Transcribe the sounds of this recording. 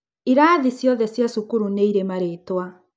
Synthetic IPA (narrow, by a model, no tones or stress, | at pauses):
iɾaːðisjɔðɛsjasukuɾuneiɾemaɾetwa